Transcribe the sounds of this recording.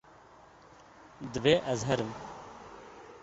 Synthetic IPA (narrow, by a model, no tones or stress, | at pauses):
d̪ʋeːʔɐzɦɐɾm